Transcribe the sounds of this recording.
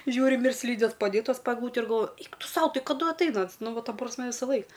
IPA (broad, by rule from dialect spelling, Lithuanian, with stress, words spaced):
ˈʒʲuːrʲɪm ɪr ˈsʲlʲiːdʲeːs pɐˈdʲeːtɐs pɐ ɛɡˈlˠuːtʲɛ ɪr ɡɐlˠˈʋoːjʊ ˈɛɪk ˈtʊ ˈsɐʊ ˈtɐɪ kɐˈdʊ ɐtˈɐɪnɐ ˈɐns ˈnʊ ˈʋɐ ˈtɐ prɐsʲˈmʲɛ ʋʲɪsɐˈlˠɐɪk